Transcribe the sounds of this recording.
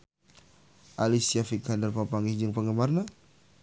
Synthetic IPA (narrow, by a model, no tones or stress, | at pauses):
ʔalisiafikandərpapaŋɡid͡ʒəŋpəŋəmarna